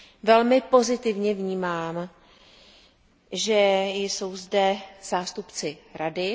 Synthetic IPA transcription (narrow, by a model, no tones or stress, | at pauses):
vɛlmɪpo̞zɪt̪ɪvɲɛvɲiːmaːm | ʒɛjso̞wzdɛz̥aːst̪upt͡sɪɾadɪ